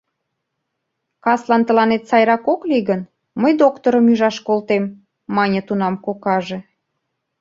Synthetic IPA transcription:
kɑslɑnt̪ə̆lɑnet̪sɑjɾɑkokliɣən | məjd̪okt̪oɾəmyʒɑʃkolt̪emː | ɑnʲət̪unɑmkokɑʒe̽

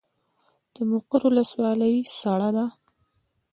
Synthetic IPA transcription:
d̪̥əmoqəɾʊləswɑləjsaɽad̪a

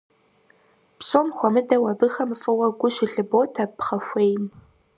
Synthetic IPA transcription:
psoːmxʷɔmɨdɐwɐbɨxɐmɨfʼɨwɐɡʷʊʃɪɮɨboːtʰɐpχɐʃʷeːjm

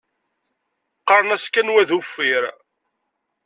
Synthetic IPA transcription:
qːɑɾˤnæskænwæðufːiɾ

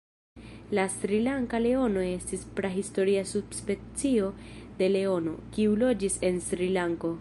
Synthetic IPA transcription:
lasɾilaŋkale̞o̞no̞e̞stispɾaɦisto̞ɾiasubspe̞t͡sio̞de̞le̞o̞no̞̰kiulo̞d͡ʒise̞nsɾilaŋko̞

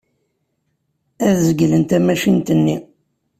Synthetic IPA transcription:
æðzəɡlənt̪æmæʃint̪ənːi

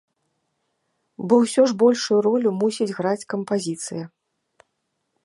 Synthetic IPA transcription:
bɔwsʲɔʐbɔlʲʂujuɾɔlʲumusʲid͡zʲɣɾat͡sʲkɐmpazʲit̪sɨjɐ

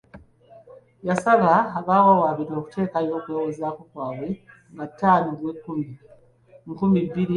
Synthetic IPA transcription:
jasaβaːβaːwawaːβiɾo̞ːku̥tʰe̞ːkajo̞ːkwewezakukwaːwwe | ŋɡatːaːnoɡwekumi | ŋkumiβiɾi

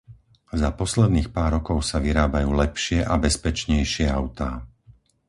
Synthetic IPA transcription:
zapɔslɛd̪niːxpaːɾɔkɔʊsaʋiɾaːbajuːlɛpʃɪɛʔabɛspɛt͡ʃɲɛjʃɪɛaʊt̪aː

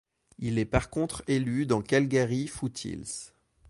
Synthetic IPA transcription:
ilɛpaʁkɔ̃t̪χelyd̪ɑ̃kalɡeʁifut̪ʰḭls

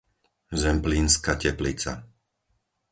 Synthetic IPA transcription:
zɛmpliːnskacɛplit͡sa̰

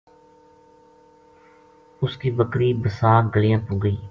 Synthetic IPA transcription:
ʊskiːbəkɾiːbəsaːɡəlijãːpʊ̃ːɡəiː

